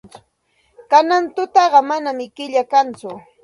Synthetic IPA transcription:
t͡sʊ̥ | kanant̪ʊt̪ɑɢɑmanamɪkɪʎakant͡sʊ

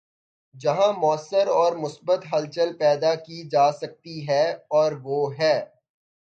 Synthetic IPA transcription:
d͡ʒɐɦãmʊəsːəɾɔːɾmʊsbət̪ɦɐlt͡ʃəlpɛːd̪akid͡ʒaːsɐk̚t̪iɦɛɔːɾʋoːɦɛː

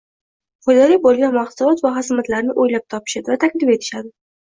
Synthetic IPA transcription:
χojd̪ɒlibolˠɡʲanmaχsʊlɒt̪vaɦasmat̪laɾnɪʔojlap̚t̪ʰɒpʰɪ̥ʃad̪ɪvat̪ʰakʲd̪ɪme̞t̪ʰɪ̥ʃad̪ɪ

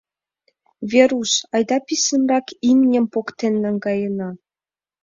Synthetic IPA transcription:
vʲeɾusɑjd̪ɑpisə̆mrɑkimnʲə̆mpokt̪enːə̆ŋɡɑjə̆nɑ

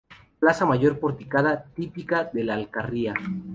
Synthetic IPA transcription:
lasamaʝo̞ɾpo̞ɾt̪ikað̞at̪ipikaðe̞laːlkaria

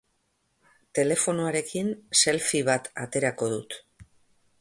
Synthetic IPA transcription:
t̪e̞le̞fo̞noaɾe̞kinse̞lfiβ̞at̪a̰t̪e̞ɾako̞ðut̪

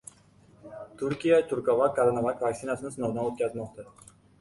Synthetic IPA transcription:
t̪ʰʊɾkʲijat̪ʰʊɾkɒvakʰaɾanavakʲvakʲsɪnasɪnɪsɪnɒwd̪anot̪̚kʲʰazmɒqt̪ʰa

